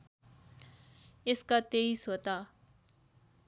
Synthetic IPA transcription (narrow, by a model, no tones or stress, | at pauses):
ɪskat̪eːisɦoːt̪aː